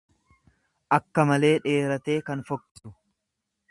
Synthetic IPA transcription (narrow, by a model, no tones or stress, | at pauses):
ʔɐkːɐmɐle̞ːᶑe̞ːɾɐt̪e̞ːkɐnfɔkːɪ̥t̪ʊ̥